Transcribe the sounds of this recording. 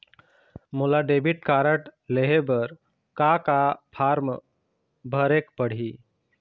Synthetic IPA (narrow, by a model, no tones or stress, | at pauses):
mulaɖebʱiʈkaɾəʈleɦebəɾ | kakapʰaɾm | bʱəɾekpəɽ̤i